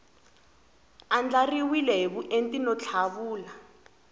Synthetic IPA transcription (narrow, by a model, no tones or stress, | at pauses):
and͡ɮariwilɛɦeβuʔentʼinɔt͡ɬʰaβuːla